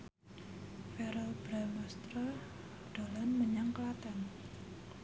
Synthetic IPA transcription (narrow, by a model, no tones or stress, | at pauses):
fɛɾɔlb̥ɾamɔst̪ɾɔ | ɖ̪̥o̤lanməɲaŋkəlat̪an